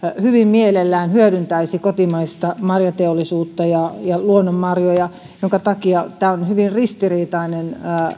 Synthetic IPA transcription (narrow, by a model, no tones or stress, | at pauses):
hyʋimmielelːæːnhyøɾynt̪æisikot̪imɑist̪ɑmɑrjɑt̪eolːˑisuːt̪ːɑjɑjɑluonːommɑrjojɑ | joŋkɑt̪ɑkiɑt̪æːonhyʋinrist̪iriːt̪ɑinenː